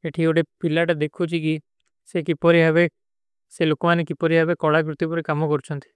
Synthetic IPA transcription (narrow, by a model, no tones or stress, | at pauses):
eʈʰioɽepilaʈd̪ekʰut͡ʃʰiki | sekipɔɾiɦaβe | selokmanekipɔɾiɦabekɔɽakɾʊt̪ːipɔɾikamɔkɔɾut͡ʃʰɔnt̪ʰi̥